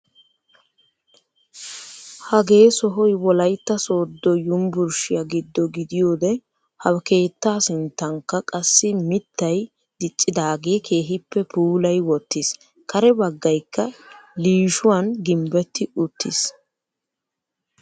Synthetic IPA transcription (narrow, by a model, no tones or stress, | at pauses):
hɐɡe̞ːsɔɦɔjwɔlɐjt̪ːɐso̞ːd̪ːɔjʊmbʊɾʃɪjɐɡɪd̪ːɔɡɪd̪ɪjoːd̪ɛ | hɐwke̞ːt̪ːaːsɪnt̪ːɐŋkːɐkʼɐsːɪmɪt̪ːɐj | d̪̥ɪt͡ʃʼːɪd̪aːɡe̞ːkʰe̞ːɦɪpːɛpʰuːlɐjwɔt̪ːɪs | kɐɾɛbɐɡːɐjkːɐliːʃʊwanɡɪmbɛt̪ːɪʊt̪ːɪs